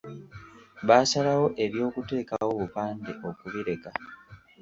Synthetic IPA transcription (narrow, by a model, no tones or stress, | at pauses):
βaːsalawo̞ʔe̞βjo̞ːkute̞ːkawo̞βupaːndeʔo̞kuβiɾe̞ka